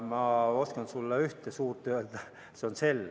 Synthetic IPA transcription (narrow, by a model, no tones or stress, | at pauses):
mɑoskɑnsulːɑyht̪esuːrt̪øøt̪ɑ | seonselː